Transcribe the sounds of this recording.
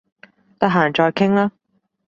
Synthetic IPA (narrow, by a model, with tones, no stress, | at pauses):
t̪ɐ˥ɦaː˨˩nt͡ʃɔː˧jkʰɪ˥ŋlaː˥